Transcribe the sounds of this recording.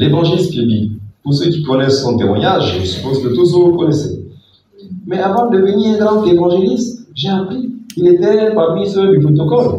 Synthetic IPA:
levɑ̃ʒelist̪inḭpuʁsøkʲikɔnɛsːɔ̃t̪emwa̰ɲaʒḛʒəsy̥pozkət̪us̬ɔukɔnɛsɛ̰ | mɛavɑ̃d̪əd̪əvəniʁɛ̃lɑ̃kevɑ̃ʒelist̪ʒeapχikilet̪ɛpaʁmisød̪ypot̪̬ɔkɔl

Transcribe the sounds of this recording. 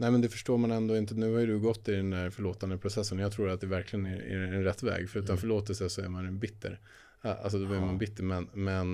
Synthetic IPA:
nɛɪmɛnd̪ɛfœʂʈoːɾmanɛnd̪oːɪnt̪ənʉ̟ːhajd̪ɵɡɔt̪ːɪd̪ɛnd̪æɾfœɭoːt̪and̪əpʰɾʊsɛsːənɔjɑɡt̪ʰɾuːɾat̪̚d̪ɛvæɾklɪɡənææ̰ɾɛnɾɛt̪ːvɛ̰ːɡfœɾʉ̟ːt̪anfœɭoːt̪əlsəsɔæɾmanbɪt̪ʰːə̰ɾ | a̰lsɔd̪ɔblɪɾmanbɪt̪ːəɾmɛnmɛn

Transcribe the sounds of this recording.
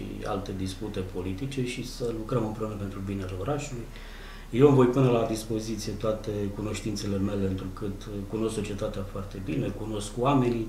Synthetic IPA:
ḭa̰lt̪e̞d̪isput̪e̞pʰo̞lit̪it͡ʃe̞ʃisəlukɾəmɨmpɾe̞unəpe̞nt̪ɾubinealeo̞ɾaʃuluj | jewɨmvo̞jpɨnəlad̪ispo̞zit̪sije̞t̪oat̪e̞kuno̞ʃt̪int̪se̞le̞me̞le̞ɨnt̪ɾukɨt̪kuno̞skso̞t͡ʃie̞t̪at̪eafoart̪e̞binekuno̞skwame̞ni

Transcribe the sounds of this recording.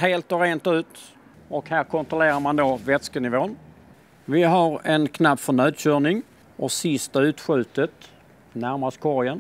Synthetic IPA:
ɦeːlt̪ɔɾeːnt̪ʉ̟ːt̪ | ɔkhæːɾkʰɔnt̪ɾʊleːɾaɾmand̪ovɛt̪skənɪvoːn | vɪɦaɾɛnkʰnapːfœɳœːd̪ɕœːɳɪŋ | ʔɔsɪst̪aʉ̟ːt̪ɧʉ̟ːt̪ət̪ | næɾmast̪kʰɔɾjən

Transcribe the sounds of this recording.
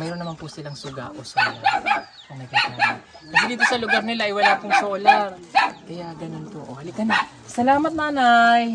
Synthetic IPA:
mɛɾonːɐmanpʊsɪlaŋsʊɡa̰ʔosɐ | konɐk̪a | p̪ɐdliːt̪osɐlʊɡaɾnɪlaʔɐjwɐlapʊŋsoʔʊlaɾkɐjaɡɐnonpoʔohɐlɪk̪ɐna | sɐlaːmɐt̪̚naːnaj

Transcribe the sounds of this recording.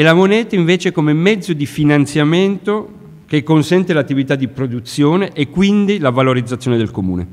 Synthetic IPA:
elamonɛːt̪aiɱveːt͡ʃekomemɛd̪zːod̪ifinant̪sjament̪o | k̟ekːonsɛnt̪elat̪ːivit̪ad̪ːipɾod̪ut̪sːjoːneʔekːwind̪ilavaloɾid̪zat̪sːjoːned̪elkomṵːnḛ

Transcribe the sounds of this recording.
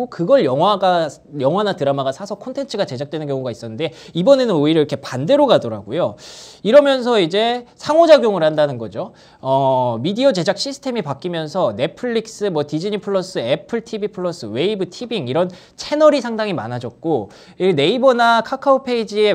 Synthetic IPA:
kɯɡʌɭjʌŋɦwaɡajʌŋɦwanatɯɾamaɡasʰasʰʌkʰontʰe̞nt͡ɕʰɯɡat͡ɕe̞d͡ʑak̚t͈we̞nɯnkjʌŋuɡais͈ʌnːɯnde̞ibʌne̞nɯnoiɾʌiɾʌkʰe̞pande̞ɾoɡadʌɾa̰ɡojoiɾʌmjʌns̬ʰʌid͡ʑe̞sʰaŋod͡ʑaɡjoŋuɾhandanɯnɡʌd͡ʑo | ʌmidiʌd͡ʑe̞d͡ʑak̚ɕ͈ʰisʰɯ̥tʰe̞mipak͈imjʌnsʰʌne̞pʰɯɭːik̚s͈ɯmwʌtid͡ʑiɲipʰɯɭːʌs͈ɯepʰɯɭtʰibipʰɯɭːʌs͈ɯwe̞ibɯtʰibiŋiɾʌn | t͡ɕʰe̞nʌɾisʰaŋdaŋima̰nad͡ʑʌt̚k͈o | ine̞ibʌnakʰakʰaopʰe̞id͡ʑie̞

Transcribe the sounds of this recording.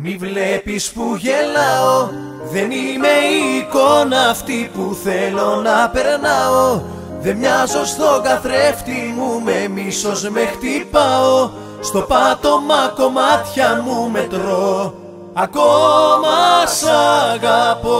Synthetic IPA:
mivle̞pispuʝe̞lɐo̞ | ðe̞nime̞iko̞nɐːft̪ipuθe̞lo̞nɐpe̞ɾnɐo̞ | ðe̞mɲɐzo̞zðo̞ɣɐθɾe̞ft̪imume̞miso̞zme̞xt̪ipɐo̞ | st̪o̞pɐt̪o̞mɐko̞mɐt̪çɐmume̞t̪ɾo̞ | ɐko̞mɐsɐɣɐpo

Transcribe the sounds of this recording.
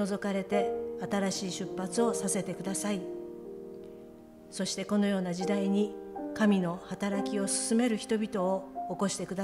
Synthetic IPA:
o̞zo̞kaɾe̞t̪e̞at̪aɾaɕiːɕɨpːat͡sɨo̞sase̞t̪e̞kɯ̟d̪asai | so̞ɕi̥t̪e̞ko̞no̞jo̞ːnad͡ʑid̪aiɲ̟ikamʲino̞hat̪aɾakʲio̞sɨ̥sɨme̞ɾɯ̟çi̥t̪o̞bʲit̪o̞ːko̞ɕi̥t̪e̞kɯd̪a

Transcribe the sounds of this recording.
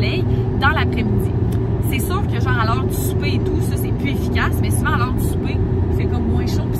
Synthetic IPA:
lɛj | d̪ɑ̃lapχɛmid͡z̪i | sɛsyːʁkʲəʒɑ̃alœːʁd̪əsy̥pet̪usɔsɛpyefi̥kʲasmɛsivãalœːʁd̪əsy̥pefɛkɔmːwɛ̃ʃɔ̃p

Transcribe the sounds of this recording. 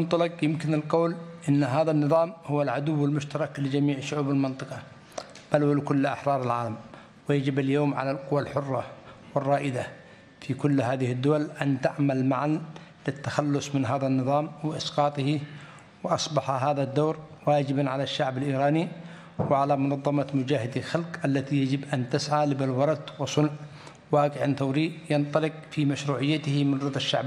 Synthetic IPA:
nt̪ˤɑlɑqjɪmkɪnɪlqowlʔɪnːɦaːðanːɨðˤɑːmhʊwːalʕad̪uwːɪlmʊʃt̪ɑɾˤɑklɪd͡ʒamiːʕʃʊʕuːbalmɪnt̪ˤɨqɑ | b̥alwlkʊlːʔa̰ħɾˤɑːɾˤɪlʕaːlam | wɪjad͡ʒɪbaljoːmʕa̰lalqʊwːalħʊrˤːɑwɪrˤːɑːʔɪd̪a | fikʊlːhaːðɪhɪd̪ːʊwalʔant̪aʕmalmaʕan | lɪt̪ːaxalːʊsˤmɪnɦaːðanːɨðˤɑːmwɪʔɪsqɑːt̪ˤɪhi | wɪʔɑsˤbɑħɦaːðad̪ːoːɾ | waːd͡ʒɪbanʕalaʃːaʕbalʔiːɾɑːni | wɪʕalamʊnɑðˤːɑmɑmʊd͡ʒaːhɪd̪alxalqʔalːat̪ijad͡ʒɪbʔant̪ɪsʕalɪbalwɑɾˤɑt̪wɪsˤʊnʕ | waːqɪʕanθawɾiːjɪnt̪ˤɑlɪqfimaʃɾuːʕɪjːat̪ɪhmɪnɑd̪ˤaʃːa̰ʕb

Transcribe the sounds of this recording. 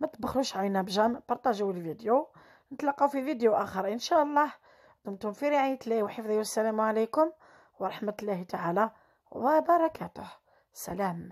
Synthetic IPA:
mæt̪əbəxluʃʕajnæbʒænbɑɾˤt̪æʒæwəlvid̪ju | nət̪lɑqːɑwfivid̪juʔæxəɾˤʔənʃæʔəlˤːɑh | d̪ʊmt̪hʊmfiɾiʕijt̪liwħəfd̪ˤijwsːælæmʕalækʊm | wɾˤɑħmæt̪lːæhit̪aʕalæ | bæbɑɾˤɑkæt̪ʊh | sæ̰læm

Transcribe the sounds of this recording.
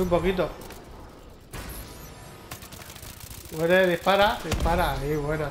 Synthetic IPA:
umpokit̪̬o | weɾeðihpaɾaðihpaɾaːiβweno

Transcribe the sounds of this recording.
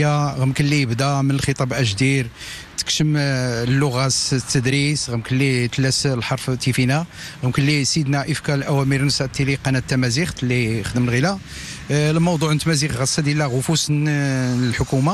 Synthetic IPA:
aɣəmkənlːijəbd̪æmənəlxət̪ˤɑbʔæʒd̪iɾt̪ə̥kʃəmlːʊɣæst̪ːəd̪ɾisɣəmkənlːit̪læslħɑɾˤft̪ːifinæɣəmkənlːisid̪næʔəfkælʔæwæmiɾnəsæʔt̪ːiliqɑnæt̪ːæmæzixlːixd̪əməlɣilæ | lmɑwd̪ˤuʕənt̪ːmæzixɣæsːad̪jælæɣʊfusnəlħʊkuma

